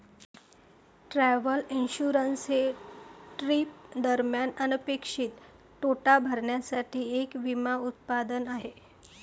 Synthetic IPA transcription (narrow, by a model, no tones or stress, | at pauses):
ʈɾɛʋəlinɕuɾənsɦeʈɾiːp̚d̪əɾmjanənəpekʂiːt̪ː | oʈabʱəɾɳjasaʈʰiːekʋimaut̪̚pad̪ənaɦe